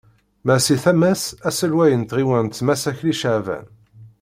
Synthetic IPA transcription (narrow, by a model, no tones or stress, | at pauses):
mæsiθæmæsæsəlwæjənt̪ʁiwænt̪ːmæsæçliʃəʕvæ̰n